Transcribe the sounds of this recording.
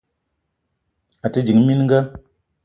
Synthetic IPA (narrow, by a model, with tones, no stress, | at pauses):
a˨tɨ˨˧d͡ʒi˨ŋmi˦n˦ŋ˦ɡa˦